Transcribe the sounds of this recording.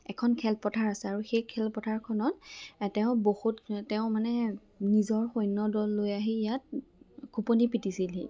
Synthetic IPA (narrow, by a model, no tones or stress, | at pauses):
ɛkʰɔnkʰɛlpɔtʰaɹasɛaɹuxejkʰɛlpɔtʰaɹkʰɔnɔttɛʊ̃bohuttɛʊmanɛ | nizɔɹxojnːɔdɔlːojaɦiijat̚ɡʰʱuponipitisilḭ